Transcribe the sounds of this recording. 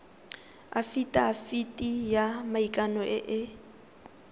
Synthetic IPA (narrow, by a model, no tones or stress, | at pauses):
a̰fitʼaːfitʼijamaikʼanɔʔɪʔɪ